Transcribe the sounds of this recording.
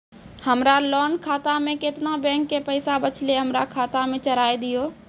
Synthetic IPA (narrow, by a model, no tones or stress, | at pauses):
həmɾalɔːnkʰaːt̪amẽkɪt̪nabɛ̃ːŋkːepəɪsabət͡ʃʰleɦəmɾakʰaːt̪amẽt͡ʃəɾaːed̪ijoː